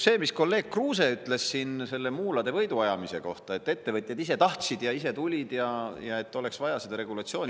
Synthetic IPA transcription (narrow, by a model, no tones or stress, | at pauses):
se̞ːmisko̞lːe̞ːɡ̥̚kruːse̞yt̪ːˑle̞ssinse̞lːe̞muːlɑd̪e̞vɤjd̪uɑjɑmise̞̰ko̞̰ht̪ɑe̞t̪ːe̞t̪ːe̞vɤt̪ʲˑjɑd̪ise̞t̪ɑht̪sid̪̥jɑise̞t̪ulʲid̪jɑjɑe̞t̪ːˑo̞le̞ksvɑjɑsed̪̥ɑɾe̞ɡ̥ulɑt̪sio̞ːnʲi